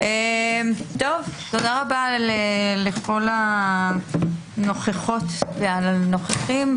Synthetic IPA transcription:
emt̪ovt̪o̞daʁabaleleχo̞la | no̞χeχot̪vealanoχeχim

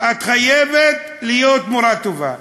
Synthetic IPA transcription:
at̪χajevet̪ | lijot̪moɾat̪ova̰

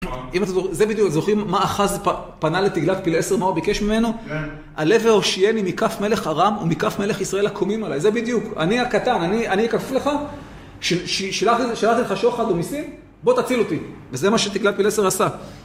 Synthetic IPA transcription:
imat̪emzozebid̪jukat̪zo̞χimːaːχazpapanalet̪iɡlavpilese̞ʁmauabike̞ʃmime̞no̞ | a̰leveoʃijenimikafme̞le̞χaʁamumikafme̞le̞χisʁae̞lakʰomimalajzebid̪juka̰niakat̪ananianiekafevle̞χa | ʃeʃiʃalaχiʃalaχt̪ileχaʃoχad̪omisim | bo̞t̪at͡silo̞t̪ivezemaʃet̪iɡlav̚pilese̞ʁasa

